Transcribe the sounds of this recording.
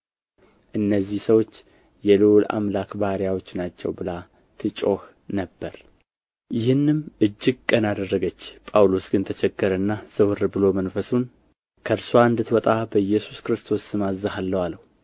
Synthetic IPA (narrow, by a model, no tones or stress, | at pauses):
ʔɨnːəzːihsəwo̞t͡ʃː | jɛluwla̰mlakbahɾijawo̞t͡ʃːnat͡ʃːɛ̰wbɨla | t̪ʰɨt͡ʃʼo̞h | nəbːəɾ | jɪhɨnːɨmʔɨd͡ʒːɪɡ̚kʼːənad̪ərːəɡət͡ʃːpʼawlosɡɨnt̪ʰət͡ʃʰɛɡːəɾənːaz̥ɨwɨɾbɨlo̞mənfəsun | kʰəɾsoaɨnd̪ɨt̪wɔt̪ʼabəjːɛsu̥skɨɾɨst̪ʰo̞sːɨmazːahalːəwaləhu